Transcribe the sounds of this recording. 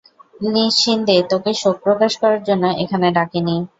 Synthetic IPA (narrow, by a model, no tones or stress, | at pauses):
liʃind̪et̪okeʃok̚pɾokaʃkɔɾaɾd͡ʑonːoʔekʰaneɖakeni